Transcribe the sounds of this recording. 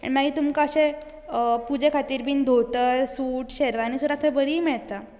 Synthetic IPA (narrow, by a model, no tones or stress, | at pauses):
a̰ɳ̃imaɡiːt̪umkaəɕẽ | pud͡zekʰat̪iːɾbiːnd̪ʱot̪əɾsuːʈɕeɾʋanisuɾat̪ʰẽbəɾiːmɛɭt̪a